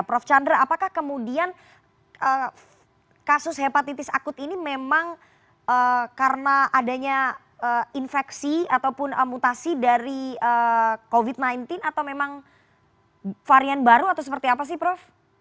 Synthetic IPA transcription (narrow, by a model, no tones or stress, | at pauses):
pɾɔft͡ʃandɾaapakahkəmudian | ʔə | kasʊshepat̪it̪ɪsa̰kʊt̪inimemaŋ | ʔəkaɾənaʔːdaɲa | əːinfɛksiat̪awpʊnəmːut̪asidaɾiəkovit̪̚najnt̪ɪnat̪awmemaŋ | faɾianbaɾuat̪awsəpərt̪iapas̬ɪhpɾɔf